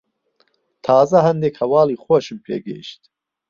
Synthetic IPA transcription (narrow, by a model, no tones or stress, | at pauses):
t̪ʰɑːzɐɦɐnd̪ekhɐwɑːliːxoʃɨmpʰḛːɡḛʃt̪